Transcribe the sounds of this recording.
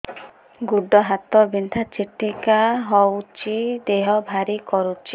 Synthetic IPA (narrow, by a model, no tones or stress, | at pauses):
ɡuɖɔɦat̪ɔbind̪ʱat͡ʃiʈikaɦɔwt͡ʃʰid̪eɦɔbʱaɾikɔɾut͡ʃʰi